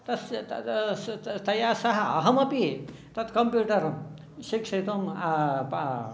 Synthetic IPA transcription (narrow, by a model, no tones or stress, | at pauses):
t̪ɐs | t̪ɐjaːsɐɦɐɐ̰ɦɐmɐpi | t̪ɐt̪kɐmpjuːʈɐɾ | siksɐjt̪omp